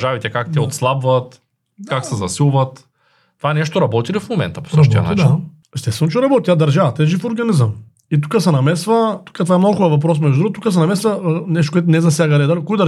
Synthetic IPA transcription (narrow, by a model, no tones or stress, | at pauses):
ʒavit̪ɛkakt̪ɛot̪slˠabvɐt̪ | kaksɛzɐsilˠvɐt̪ | t̪ːovaɛnɛʃt̪oɾɐbɔt̪ilifmomɛ̰nt̪ɐpo̥səʃt̪ijɐ̰t͡ʃ̪n | ɛst̪ɛsənt͡ʃ̬ɛɾɐbɔt̪it̪ʲad̪ɐɾʒavɐt̪ɛʒifoɾɡɐnizəm | it̪̬u̥kəsɛnɐmɛsvɐt̪u̥kət̪ovaɛmnoɡʊxɔvɐp̬ɾɔs̬mɛʒdud̪ɾuɣt̪ukəs̬ɛnɐmɛsvɐnɛʃt̪okoɛt̪̬ʊnɛzɐsʲjaɡɐɾɛd̪alikɔid̪ɐ